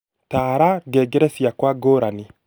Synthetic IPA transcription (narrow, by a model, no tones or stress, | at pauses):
taːɾaɡɛɡeɾɛsjakwaɡoɾani